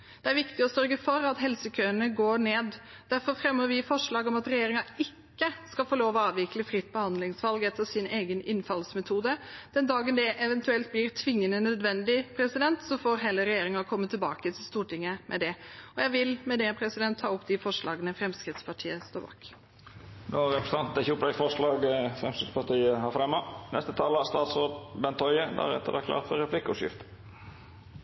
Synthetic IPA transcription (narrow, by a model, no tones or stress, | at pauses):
d̪̥ɛæɾʋɪkt̪ɪɔsœɾɡəfɔɾɑt̪ɦɛlsəkʰøːənəɡoːɳeːd̪ | d̪æɾfɔɾfɾɛmːəɾʋɪfɔʂɭɑːɡɔmɑt̪ɾɛjeːɾɪŋɑɪkːəskɑfoːloːʋɔɑːʋɪkləfɾɪt̪̚ːbəhɑnd̪lɪŋsʋɑlɡɛt̪ːəɾsɪneːɡənɪnfɑlsmɛt̪ʰuːd̪əd̪̥ɛnd̪ɑːɡənd̪ɛʔɛʋɛnt̪ʉɛlt̪̚blɪɾt̪ʰʋɪŋːənənœd̪ʋɛnd̪ɪpʰɾɛsɪd̪ɛnt̪sɔfoːɾɦeːləɾɛjeːɾɪŋɑkʰɔmːət̪ʰːɪlbɑ̰ːkət̪ʰɪlst̪uːʈʰɪŋːəmʔɛ̰d̪ɛɔjæɪʋɪlmɛd̪ɛpʰɾɛsɪd̪ɛnt̪ʰːɑːʊpːd̪ɪfɔʂlʔɑ̰ːɡənəfɾɛmskɾɪt̪spʰɑʈʰiːəst̪o̰ːbɑ̰ːk | noːɾɛpɾə̥s̩ɑnt̪əçuːplæɪfɔʂlɑːɡfɾɛmskɾɪt̪spɑʈ̪iːəɦɑɾfɾɛmːənɛ̰st̪ət̪ʰɑːləst̪ɑːt̪sɾoːd̪bɛnt̪ʰɔʏəd̪æ̰ɾɛ̰t̪ːə̰d̪ɛkʰlɑ̰ːt̪fɔɾɛpʰlɪkːəʊʂjɪ̰ft̪ə